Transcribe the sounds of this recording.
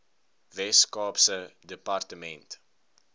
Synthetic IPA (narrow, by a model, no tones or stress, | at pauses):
vɛskɑːpsədəpartəmɛnt